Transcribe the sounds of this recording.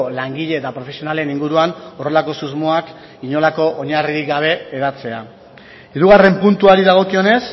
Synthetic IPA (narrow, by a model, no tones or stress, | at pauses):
laŋɡiʎe̞ːt̪apɾo̞fesio̞nale̞niŋɡuɾuano̞relako̞suzmoak | iɲo̞lako̞ʔoɲariɾikɡaβ̞e̞ːðat͡se̞a | iɾuɣare̞mpunt̪uaɾiðaɣ̞o̞kio̞ne̞s